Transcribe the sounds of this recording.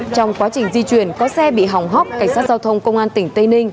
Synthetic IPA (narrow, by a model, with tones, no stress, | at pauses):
t͡ɕɔ˧wŋ͡mkwaː˨˦t͡ɕï˧˩ŋ̟zi˧t͡ɕwi˧˩ənkɔ˨˦sɛ˧ɓḭ˧˨ɦa˨˩wŋ͡mɦɔ˦˥k͡p̚ka˧˩ŋ̟saː˦˥t̚za˧wt̪ʰə˧wŋ͡mkə˧wŋ͡mʔaː˧nt̪ï˧˩ŋ̟t̪ə˧jnï˧ŋ̟